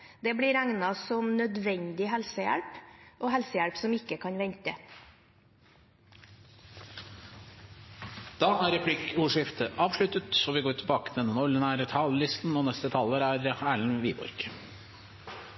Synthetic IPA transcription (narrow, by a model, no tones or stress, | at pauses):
d̪ɛbɽɪːɾæŋnɑsɔmnœd̪ʋɛɲd̪ɪɦɛlsəjæ̰ɭpʔoːɦɛlsəjæɽpsɔmɪkːəkʰɑnʋɛɲt̪ə̰ | d̪̥ɑːʔæːɾɛpʰlɪkuːʂɪft̪əʔɑːʋʂlʉt̪ət̪sɔʋɪɡoːʈʰɪlbɑːkə̥t̪ʰɪlɛnənɔlːənæɾt̪ʰɑːllɪst̪n̩ɔːnɛst̪ət̪ʰɑləɾæɾæːɭɳ̩ʋiːbɔ̰ɾɡ̥